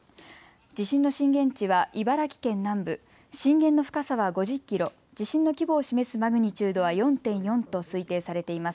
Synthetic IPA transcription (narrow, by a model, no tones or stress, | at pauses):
d͡ʑiɕĩnːo̞ɕĩŋɡẽ̞ɲ̟t͡ɕiβaʔibaɾakʲi̥kẽ̞nːãmbɯ̟ | ɕĩŋɡẽ̞nːo̞ɸɯ̟̥kasaβaɡo̞ʑikʲːiɾo̞ | d͡ʑiɕĩnːo̞kʲibo̞ːɕime̞sɨmaɡɯ̟ɲ̟it͡ɕɨːd̪o̞βajõ̞nt̪ẽ̞ɰ̃jõ̞nt̪o̞sɨit̪e̞ːsaɾe̞t̪e̞imasɨ̥